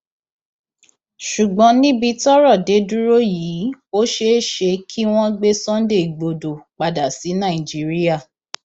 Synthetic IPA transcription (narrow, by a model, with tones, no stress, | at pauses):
ʃu˨ɡ͡bɔ̃˧˦nĩ˦bi˧tɔ˦ɾɔ˦˨de˨˦du˦ɾo˦jiː˨˦o˦ʃe˦˨ʃe˧kʰi˦w̃ɔ̃˦ɡ͡be˦sɔ̃˦n˦de˦˨ɡ͡bo˨do˨k͡pa˨da˨si˨˦nã˦˨i˨d͡ʒi˦ɾi˦ja˦˨